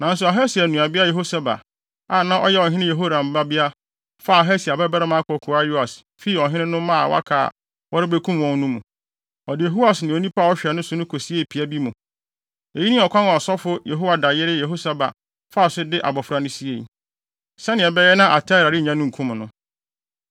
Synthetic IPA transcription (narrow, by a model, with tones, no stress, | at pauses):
nã˨n̩˦sʊ˨a˨ɦɛ˦si˨æ˨nũ˨a˨bɪ˦a˦je˨ɦo˦sa˦ba̰˨ | a˨nã˦ʔɔ˦jɛ˦ɔ˨ɦɪ̃˦nɪ̃˦je˨ɦo˦ɾa˨m̩˨ba˦bi˦a˦ | fa˦˨a˨ɦɛ˦si˨a˨bɛ˦ba˦ɾa˦mã˦kʰɔ˨kʰʊ˨a˦ju˦a˨s | fi˦ɔ˨ɦɪ̃˦nɪ̃˦nʊ̃˦mã̰˦˨wa̰˦kʰa̰ː˨ | wɔ˦ɾɪ˦bɛ˦kʰũ˦m˨wɔ̃˦n˦nũ˦mũ˨ | ɔ˨dɪ˨e˨ɦo˦wa˨snɪ̃˨o˨nĩ˦pa˦˨ɔ˦ɕᶣɛ˨nʊ̃˦sʊ˦nʊ̃˦kʰo˨si˦e˦˨pʰi˨æ˦bi˦mũ˨ | e˨ji˦nĩ˦ɔ˨kʰʷã˦n˨sɔ˦fʊ˦je˨ɦo˦wa˨da˨jɪ˦ɾɪ˦je˨ɦo˦sa˨ba̰˨ | fa˦˨sʊ˦dɪ˦ʔa̰˨bɔ˨fɾa˨nʊ̃˦si˦e˨i˨ | sɛ˦nɪ̃˨ɛ˨bɛ˦jɛ˦nã˦ʔa˨tʰa˦˨ɾa˨ɾɪ˦˨ɲã˦nʊ̃˦ŋ̩˨kʰũ˦m̃˨nʊ̃˦